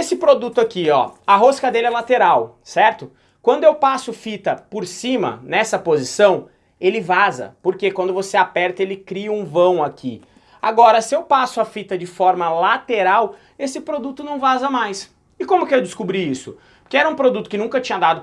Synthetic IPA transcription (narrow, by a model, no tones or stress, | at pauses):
esɪpɾod̪ut̪ʊakiɔ̰ɐɦoskɐd̪elɪɛlat̪eɾawsɛɾt̪ʊ | kwɐ̃nd̪ʊewpasʊfit̪ɐpoɾsĩmɐ̰nɛsɐpozisɐ̃w̃ | elɪvazɐ̰poɾkekwɐ̃nd̪ʊvoseapɛɾt̪ɐelɪkɾiɐũvɐ̃w̃akʰi | a̰ɡɔɾɐsɪewpasʊafit̪ɐd͡ʒɪfɔɾmɐlat̪eɾaw | esɪpɾod̪ut̪ʊnɐ̃w̃vazɐmajs | ɪkõmʊkɪewd͡ʒ̪ɪskubɾiisʊ | pokeɛɾɐũpɾod̪ut̪ʊkɪnũkɐt͡ʃĩɲɐd̪ad̪ʊ